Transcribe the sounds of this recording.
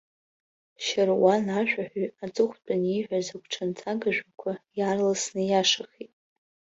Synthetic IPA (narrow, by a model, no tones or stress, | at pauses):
ʃarwanaʒᶣʷaħʷᶣɥat͡sʼɨχʷt͡pʼaniʕʷᶣazakʷʰʼʈ͡ʂʰant͡sʰaɡaʒᶣʷakʷʰajarlasnɨjaʂaχitʼ